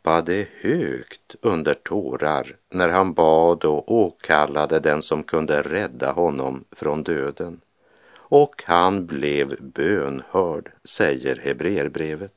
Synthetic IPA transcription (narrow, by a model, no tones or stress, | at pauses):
pad̪əhøːkt̪ɵnd̪əʈʰoːɾaɾ | næɾɦanbɑːd̪ɔʔoːkʰalːad̪əd̪ɛnsɔmkʰɵnd̪əɾɛd̪ːahɔnːɔmfɾɔnd̪øːd̪ən | ɔkhanblɛvbøːnhœːɖsɛjːəɾhɛbɾeːəɾbɾeːvət̪̚